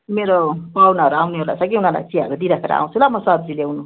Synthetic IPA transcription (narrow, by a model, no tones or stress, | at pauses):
imeɾopawnaɦʌɾuawneoɾla̰sʌɡiunala̰jt͡siɦʌɾud̪iɾʌpʰeɾa̰a̰w̃t͡sʰulamʌsʌb̚d͡zilewnu